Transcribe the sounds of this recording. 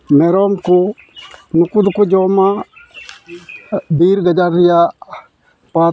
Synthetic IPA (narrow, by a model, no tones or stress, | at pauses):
mɛɾɔmkʊ | nukud̪ukud͡ʒɔma | biɾɡad͡ʒaɾija | pa